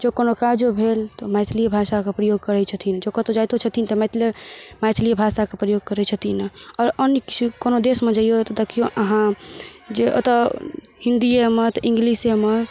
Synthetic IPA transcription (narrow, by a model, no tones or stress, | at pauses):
d͡ʒekonokaɾd͡ʒobʱelt̪omajt̪ʰliebʱasakepɾəjoɡ̚kəɾɛt͡ʃʰət̪ʰind͡ʒokət̪od͡ʒajt̪ot͡ʃʰət̪ʰint̪ɔmɛt̪ʰlemajt̪ʰliebʱasakepɾəjoɡ̚kəɾɛt͡ʃʰət̪ʰinɔːɾənjəki̥t͡ʃʰikonod̪esmed͡ʒəijot̪ɔd̪ekʰijoʔəɦãd͡ʒeʔə̰t̪ə | hĩnd̪iemət̪ĩŋɡlisemət̪